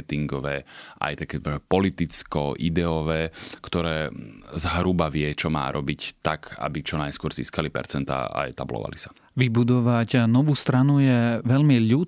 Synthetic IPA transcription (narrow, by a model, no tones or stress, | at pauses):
t̪iŋɡɔʋɛːʔa̰jt̪akɛːɛpɔlit̪it͡skɔʔid̪ɛɔʋɛːkt̪ɔɾɛːzɦɾubaʋɪɛt͡ʃɔma̰ːɾʔɔbict̪aka̰bit͡ʃɔnajskʊɔɾzḭːskalipɛ̰ɾt͡sɛnt̪a̰ːa̰jɛt̪ablɔ̰ʋa̰lisḁ | ʋibud̪ɔʋacnɔʋuːst̪ɾanujɛʋɛʎmiʎuːt̪